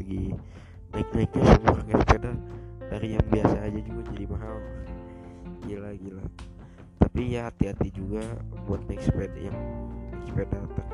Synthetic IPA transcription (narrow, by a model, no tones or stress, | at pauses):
aɡi | nak̚nak̚ɲasəmuakaspedadaɾijaŋbiasaːd͡ʒad͡ʒuɡad͡ʒadipaɦal | ɡilaɡila | t̪apijaɦat̪iɦat̪id͡ʒuɡabuat̪̚nɛkspɛdjaŋmɛkspedat̪aŋ